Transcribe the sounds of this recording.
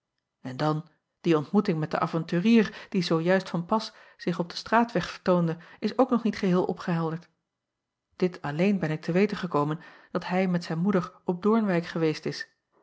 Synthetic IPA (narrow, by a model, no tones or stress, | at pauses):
ɛndɑn | d̥iɔntmutɪŋmɛt̚dəʔa̰ːvɑntyːriːrd̥izowjœɥstfɑnpɑs | z̥ɪχɔb̚dəstraːtʋɛχfəɹtowndəɪsowknɔχnitχəɦɪːlˠʔɔ̰pχəɦɛlˠdəɹt | d̥ɪtɑlejnbɛnɪk̚tʰəʋejtəχəkowmən | d̥ɑtɦɛjmɛtsɛjnmudəɹɔb̚dʊɹnʋɛjkχəʋejstɪs